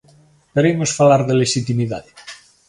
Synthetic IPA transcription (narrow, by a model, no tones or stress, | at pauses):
peɾejmosfalaɾðeleʃit̪imiðaðe